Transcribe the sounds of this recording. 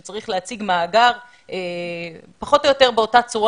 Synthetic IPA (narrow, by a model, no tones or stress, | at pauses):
t͡saʁiχleat͡siɡmaːɡaʁ | e | paχo̞to̞jo̞te̞ʁbeo̞tat͡suʁ